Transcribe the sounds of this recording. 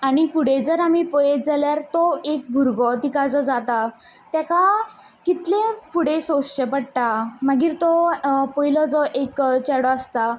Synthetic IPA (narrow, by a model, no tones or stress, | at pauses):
aɽ̃ifuɽed͡zəɾamipɔjet̪̚d͡zaljaɾt̪ɔek̚bʱuɾɡɔt̪ikad͡zɔd͡zat̪a | t̪jaka | kit̪lẽfuɽesosɕepəɽʈ̪aməɡiːɾt̪ɔpɔilɔd͡zɔʔekt͡ɕɛɽɔəst̪a